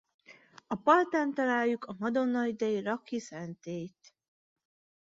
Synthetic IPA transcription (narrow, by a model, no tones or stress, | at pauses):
ɒpɒlt̪aːnt̪ɒlaːjjukɒmɒd̪o̞nːɒid̪ɛirɒkːisɛnt̪eːjt̪